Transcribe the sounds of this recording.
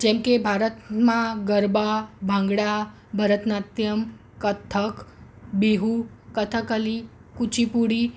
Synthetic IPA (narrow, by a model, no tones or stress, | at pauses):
d͡ʒɛ̃mkebʱaɾət̪mãɡəɾbabʱãŋɡɽa | bʱəɾət̪nat̪jəm | kət̪ʰːək | biɦukət̪ʰəkəli | kut͡ʃipuɽi